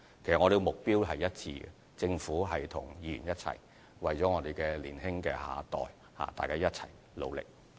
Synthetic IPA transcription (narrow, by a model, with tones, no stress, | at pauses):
kʰe˨˩sɐ˨kŋɔ˨˧e˨˧ɡmʊ˨k̚piː˥wɦɐ˨jɐ˥t̚t͡sʰiː˧ɛ̰˨ | t͡sɪ˧ŋfuː˨˥ɦɐ˨jt̪ʰʊ˨˩ŋjiː˨˧jy̰˨˩njɐ˥t̚t͡sʰɐ̰˨˩j | wɐ˨jt͡sɔː˨˥ŋɔː˨˧t̪e˨jkɛː˧liː˨˩nɦɪ˥ŋkɛː˧ɦa̰ː˨˧t̪ɔ̰ː˨j | ha̰ː˨˩t̪aː˨jkaː˥jɐ˥t̚t͡sʰɐ̰˨˩j | lo̰˨˧wlɪ̰˨k̚